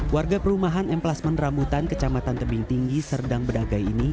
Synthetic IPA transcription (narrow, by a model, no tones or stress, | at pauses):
warɡapəɾumaɦanɛmplasmənrambut̪ankət͡ʃamat̪ant̪əbiŋt̪iŋɡisərdaŋbədaɡajini